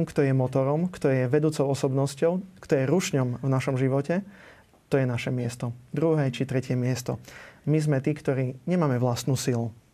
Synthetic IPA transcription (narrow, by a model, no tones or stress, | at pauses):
mkt̪ɔjɛmɔt̪ɔɾɔmkt̪ɔjɛʋɛd̪uːt͡sɔʊɔsɔbnɔscɔʊkt̪ɔjɛɾuʃɲɔmvnaʃɔmʒiʋɔcɛ | t̪ɔjɛnaʃɛmɪɛst̪ɔd̪ɾuɦɛːt͡ʃit̪ɾɛcɪɛmɪɛst̪ɔ̰mizmɛt̪iːkt̪ɔɾiːɲɛmaːmɛʋlast̪nuːsilu